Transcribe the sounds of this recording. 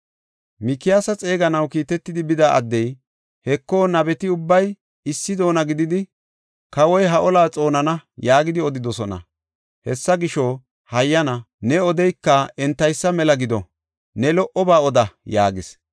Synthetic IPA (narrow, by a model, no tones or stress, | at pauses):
mɪkːɪjasɐt͡sʼe̞ːɡɐnɐwkiːt̪ɛt̪ːɪd̪ɪbɪd̪aːʔɐ̰d̪ːɛj | hɛkːo̞ːnɐbɛt̪ɪʊbːɐj | ɪsːɪd̪o̞ːnɐɡɪd̪ɪd̪ɪ | kɐwɔjɦɐʔɔlaːt͡sʼo̞ːnɐnɐjaːɡɪd̪ɪɔd̪ɪd̪ɔsɔnɐ̰ | hɛsːɐɡɪʃo | hɐjːɐnɐ | nɛɔd̪ɛjkːɐɛnt̪ːɐjsːɐmɛlɐɡɪd̪ɔ | nɛlɔʔɔbaːɔd̪ɐjaːɡɪs